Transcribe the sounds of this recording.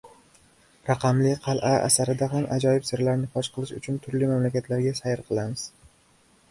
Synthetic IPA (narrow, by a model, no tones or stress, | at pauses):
ɾɑqʰɑmlɪqʰɑlˠʔaa̰saɾɪd̪aɦamʔad͡ʒɒjɪbsɪɾlaɾnɪχʰɒʃqʰɨlˠɪʃʊt͡ʃʰʊnt̪ʰʊɾlɪmamlakʲat̪laɾɡʲasajɪɾqʰɨlˠamɪz̥